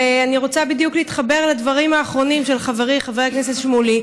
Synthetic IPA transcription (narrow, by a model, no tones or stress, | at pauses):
eaniʁo̞t͡sabid̪jukliːt̪χabe̞ʁlad̪vaʁimaːχʁo̞nimʃelχaveʁiχaveʁekneset̪ʃmuli